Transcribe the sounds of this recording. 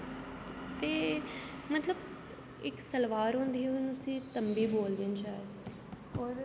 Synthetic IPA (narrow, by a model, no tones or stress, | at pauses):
t̪eː | mət̪ləb | ɪksəlʋaːɾɦʊ̃nd̪iːiɦʊnʊsĩːt̪əmbiːboːld̪ent͡ʃaːe | ɔːɾ